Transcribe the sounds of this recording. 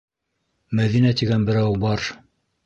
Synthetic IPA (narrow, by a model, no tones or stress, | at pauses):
mæðinæt̪iɡænbɘ̆ɾæwbɑɾ